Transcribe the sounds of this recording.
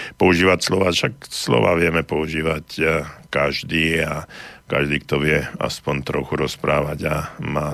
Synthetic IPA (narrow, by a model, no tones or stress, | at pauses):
pɔuʒiːʋacslɔʋaːʃakslɔ̰ʋa̰ːʋɪɛmɛpɔuʒiːʋackaʒd̪iːakaʒd̪iːkt̪ɔʋɪɛa̰spɔnt̪ɾɔxuɾɔspɾaːʋaɟamaː